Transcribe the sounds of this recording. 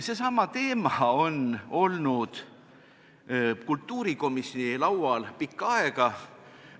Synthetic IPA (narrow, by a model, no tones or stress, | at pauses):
se̞sɑmɑt̪e̞ːmɑo̞no̞lnud̪̥ | kult̪ːˑuːɾiko̞misjonilɑwɑlpikːˑɑeɡ̥ɑ